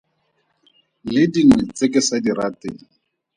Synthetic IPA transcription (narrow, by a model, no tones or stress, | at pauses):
lɪdiŋwɛt͡sekɪsadiɾatɪːŋ